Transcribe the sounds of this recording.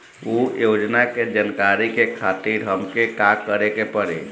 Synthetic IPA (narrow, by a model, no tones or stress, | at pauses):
ojod͡ʒnaked͡ʒənkaɾikekʰat̪iɾɦəmkekakəɾekepəɽḛ